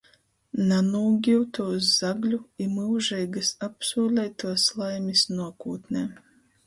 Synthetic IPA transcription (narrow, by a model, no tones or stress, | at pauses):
nanuːɡʲiwt̪uɔszaɡlʲuimɨwʒɛjɡɨsapsuːlʲɛjt̪uɔslˠajmʲisnuɔkuːt̪nʲe